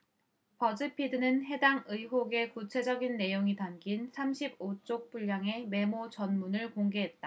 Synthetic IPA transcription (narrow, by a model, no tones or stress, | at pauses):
pʌd͡ʑɯpʰidɯnɯnɦe̞daŋɯiɦoɡe̞kut͡ɕʰe̞d͡ʑʌɡinːe̞joŋitanɡinsʰamɕʰibot͡ɕ͈ok̚p͈uʎːjaŋe̞me̞mot͡ɕʌnmunɯɭkoŋɡe̞ɦe̞t̚t͈a